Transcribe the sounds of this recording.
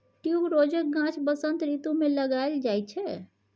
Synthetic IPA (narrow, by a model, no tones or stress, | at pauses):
ʈjubɾod͡ʒək̚ɡãt͡ʃbəsənt̪ɾit̪umeləɡaeld͡ʒajt͡ʃʰɛ